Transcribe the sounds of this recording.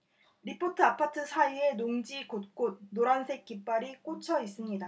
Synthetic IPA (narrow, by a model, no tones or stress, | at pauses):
ɾipʰotʰɯapʰatʰɯsʰaie̞noŋd͡ʑikot̚k͈ot̚noɾansʰe̞k̚k͈ip͈aɾik͈ot͡ɕʰʌis͈ɯmɲida